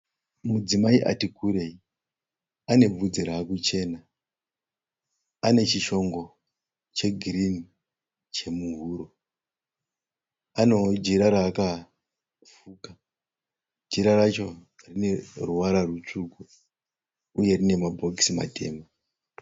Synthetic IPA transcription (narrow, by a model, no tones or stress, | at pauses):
mud͡zimaiʔa̰tikuɾe̞i | ane̞b͡vud͡ziɾaːkut͡ʃe̞ːna | ane̞t͡ʃiʃo̞ŋɡo̞ | t͡ʃe̞ɡʱirini | t͡ʃe̞muɦuːɾo̞ | ano̞d͡ʒiɾaɾaːka | fuːka | d͡ʒiɾarat͡ʃo̞ | rine̞ruwaɾarut͡ʂuku | uje̞rine̞mabʱo̞ksima̰te̞̰ːma